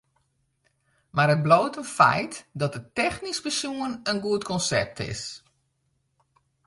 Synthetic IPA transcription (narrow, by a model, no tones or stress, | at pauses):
marət̚bloːtənfɛ̰jtdɔt̚ətɛxnispəsjuənənɡuətkʰɔnsɛ̰p̚tʰɪ̰s